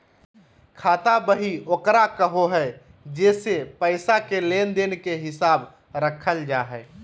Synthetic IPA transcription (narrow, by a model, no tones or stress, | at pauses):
kʰaːt̪abəɦioːkɾakəɦoɦɛː | d͡ʒeːsepəɪsakeleːnd̪eːnkeɦɪsaːb | ɾəkʰəld͡ʒaːɦɛː